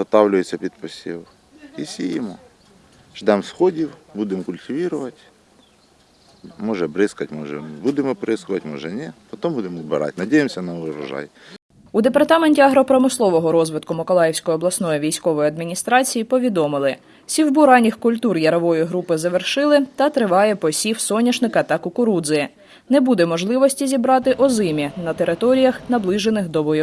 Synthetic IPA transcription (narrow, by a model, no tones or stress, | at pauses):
ɦɔt̪ɑwlʲʊjet͡sʲːɐpʲid̪pɔsʲḭw | isʲijimɔ | ʒd̪ɛmsxɔdʲiwbud̪ɪmkʊlʲtʲiʋʲiɾʊʋɐtʲ | mɔʒɛbɾɪskɐtʲmɔʒɛ̰bud̪ɪmɔbɾɪskʊʋɐtʲmɔʒɛnʲɛpɔt̪ɔmbud̪emɔwbɪɾɑ̰tʲnɐdʲejemsʲɐnɐʊɾɐ̰ʒɑ̰j | ud̪epɐrt̪ɑmenʲtʲiɐɦɾɔpɾɔmɪslˠɔʋɔɦɔɾɔzʋɪt̪kʊmɔkɔlˠɑjɛwsʲkɔjɔblˠɐsnɔjiʋʲijsʲkɔʋɔjɐd̪mʲinʲist̪ɾɑt͡sʲijipɔʋʲid̪ɔmɪlˠɪ | sʲiwbuɾɑnʲixkʊlʲt̪urjɐɾɐʋɔjʊɦɾupɪzɐʋerʃɪlˠɪt̪ɐt̪ɾɪʋɑjɛpɔsʲiwsɔnʲɐʃnɪkɐt̪ɑkʊkʊɾud̪zɨɪ | nɛbud̪ɛmɔʒlˠɪʋɔsʲtʲizʲibɾɑt̪ɪʔɔzɪmʲinɐt̪eɾɪt̪ɔɾʲijɐxnɐblˠɪʒenɪxd̪ɔʋɔj